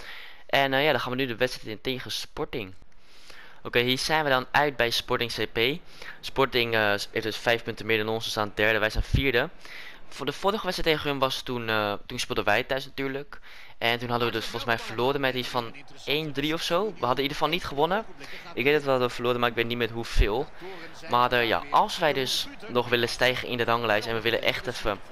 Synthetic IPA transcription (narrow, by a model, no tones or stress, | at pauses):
ʔɛnəjaːdɔnχaːnʋənydəʋɛtstrɛtɪŋteːχəspɔɹtɪŋ | owkejɦiːɹz̥ɛjnʋəjdɑnœɥt̚bɛjspɔɹtɪŋsepej | spɔɹtɪŋəɪdəsfɛjfpɵntəmɪːɹdɑnɔnsəsaːndədɛɹdəʋɛjsɛnfiːɹdə | fdəfʊɾəχəʋɛtsrɛjteχəənʋɑstunətunspodənʋɛjtœɥsnatyːɹlək | ʔɛntunɦɑdəʋədøsfɔlˠsmɛjfəloːɾəmɛtisfɑn | ejndriɔfsowʋəɦɑdənidəɹəfɑlˠnitχəʋɔnəʔɪkʋejdɑtʋəɦɑdəʋəfəloːɾəmaɾɪkʋeːtnitmɛtɦufɪːlˠ | marəja̰ʔɑlˠsʋɛjdɵs | nɔχʋɪləstɛjχəʔɪ̰ndərɑŋlɛjsɛnʋəʋɪlə̰nʔɛ̰χtɛfə